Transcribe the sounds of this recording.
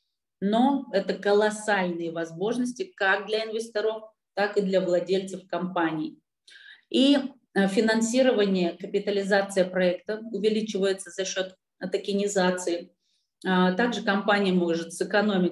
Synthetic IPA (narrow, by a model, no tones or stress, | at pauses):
no̞ɛt̪əkəlˠɐsalʲnɨjəvɐzmo̞ʐnəsʲtʲɪkak̚d̪lʲɐɪnvʲɪsʲt̪ɐɾof | t̪akɨd̪lʲɐvlˠɐdʲelʲt̪sɨfkɐmpanʲɪː | i | fʲɪnɐnsʲiɾəvənʲɪjəkəpʲɪt̪əlʲɪzat̪sɨjəpɾɐɛkt̪əʊvʲɪlʲit͡ɕɪvəjɪt̪səzɐɕːo̞t̪ | ɐt̪əkʲɪnʲɪzat̪sɨɪ | t̪aɡʐɨkɐmpanʲɪjəmo̞ʐɨt̪sɨkɐno̞mʲɪt̚ʲ